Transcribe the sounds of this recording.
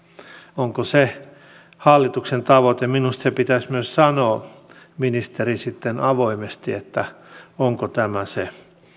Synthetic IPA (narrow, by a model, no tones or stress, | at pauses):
oŋkose | hɑlːit̪uksent̪ɑʋot̪eminust̪sepit̪æsʲmyøssɑnoː | minist̪erisit̪ːenɑʋoimest̪iet̪ːæoŋkot̪æmæse